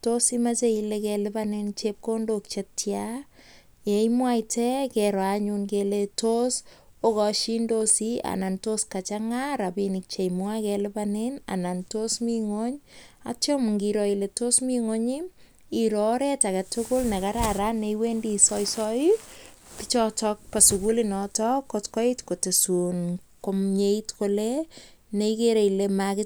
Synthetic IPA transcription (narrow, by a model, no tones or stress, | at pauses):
tosimat͡ʃeilekɛlɪpanent͡ʃep̚kondok̚t͡ʃetja | jejmwajtɛkɛɾwaɲunkeletosokɔʃindosia̰nantoskat͡ʃaŋaɾapinik̚t͡ʃemwakɛlɪpanena̰nantosmiŋoɲa̰t͡ʃomŋɡiɾɔiletosmiŋoɲi | iɾɔɾetakatʊkolnekaɾaɾaneiwendisɔisɔjipɪt͡ʃɔtɔk̚pasukulinɔtɔkotkɔitkotesun | komɲeitkole | neikeɾeilemakɪ